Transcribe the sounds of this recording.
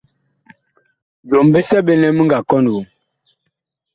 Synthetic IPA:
d͡ʒo˨mbe˦sɛ˦be˦nɛ˦mə˦ŋɡa˨kɔ˦n˨wu˨m

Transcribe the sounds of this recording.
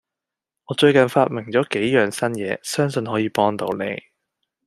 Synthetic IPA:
ŋɔː˨˧t͡ʃɵ˧ɥkɐ˨nfaː˧t̚mɪ˨˩ŋt͡ʃɔː˨˥ke˨˥jjœː˨ŋsɐ˥njɛː˨˧sœː˥ŋsɵ˧nɦɔː˨˥jiː˨˧pɔː˥ŋt̪o˨˧wnḛ˨˧j

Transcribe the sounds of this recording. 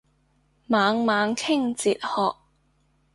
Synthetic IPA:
maː˨˧˥ŋmaː˨˧ŋkʰɪ˥ŋt͡siː˨t̚hɔː˨k̚

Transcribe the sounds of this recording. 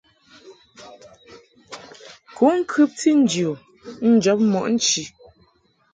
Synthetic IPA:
ku˨˦ŋ̩˦kʰʉ˦p̚ti˦n̩˦djo˨ | n̩˦d͡ʒɔ˨˦p̚mɔ˨ʔn̩˦t͡ʃi˨

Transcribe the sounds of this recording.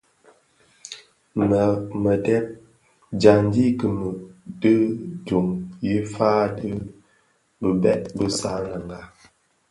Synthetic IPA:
m˨mə˨dɛ˦p̚ | d͡ʒa˨n˦di˦kə˨mə˨də˦d͡ʒu˨ŋji˦faː˦də˦ | bə˨bɛ˦ʔ̚bə˦sa˦na˨ŋɡa˨

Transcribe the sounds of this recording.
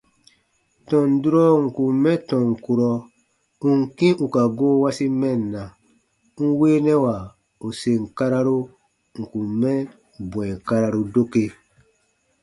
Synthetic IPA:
tɔ̃˨n˨du˦ɾɔ˦ŋ̩˨ku˨mmːɛ˦tɔ̃˨ŋ˨ku˨ɾɔ˧ | ũ˦ŋ̩˨kĩ˦u˨ka˨ɡoː˦wa˦si˦mɛ˦˨nː˨a˨ | ŋ̩˦weː˦nɛ˦wa˨ | u˨se˨ŋ̩˨ka˦ɾa˦ɾu˦ | ŋ̩˨ku˨mːɛ̃˦ | bw̃ɛ˨ka˦ɾa˦ɾu˧do˦ke˦

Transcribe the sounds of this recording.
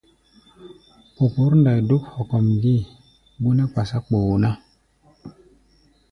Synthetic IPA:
po˨pu˨˦ɾnda˨jdu˦k̚hɔ˨kɔ˨mɡi˦˨ | bu˦na˦k͡pa˨sa˦k͡po˨na˦

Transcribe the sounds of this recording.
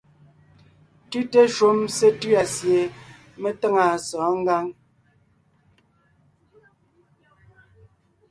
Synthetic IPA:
tʉ˦te˦ʃo˦mse˦tɥa˨sje˨ | me˦tə˦ŋa˨sɔː˨˦ŋ̩˦ɡa˦ŋ

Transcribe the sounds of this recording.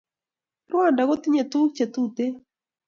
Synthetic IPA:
rwa˦˨nda˨ɣo˦t̪i˦ɲe˨t̪u˦kt͡ʃe˨t̪u˦t̪e˦

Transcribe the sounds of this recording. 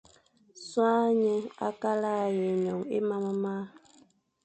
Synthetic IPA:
swa˦ɲɛ˦a̰˦ka˦la˦˨je˨ɲɔ˨ŋḛ˦ma˦ma˦ma˦

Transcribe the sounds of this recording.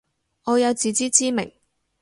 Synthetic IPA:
ŋɔː˨˧jɐ˨˧wt͡siː˨t͡siː˥t͡siː˥mɪ̰˨˩ŋ

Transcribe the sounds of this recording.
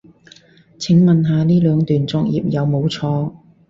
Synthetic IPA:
t͡sʰɪ˨˥ŋmɐ˨nɦaː˨˧liː˥lœː˨˧ŋt̪yː˨nt͡sɔː˧k̚jiː˨p̚jɐ˨˧wmo˨˧wt͡sʰɔː˧

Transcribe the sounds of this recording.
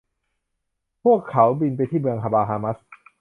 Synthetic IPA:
pʰu˥˩əkʰːa˩˦wbi˧npa˧jt̪ʰiː˥˩mɯ˧əŋkʰa˧baː˧ɦaː˧ma˦˥s

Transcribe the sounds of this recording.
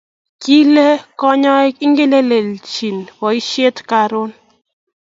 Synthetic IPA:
ki˦le˦kɔ˦ɲɔ˦ki˦ŋɡe˦le˦le˨lt͡ʃi˨nwɔ˨i˦ʃe˦tka˨ɾo˦n

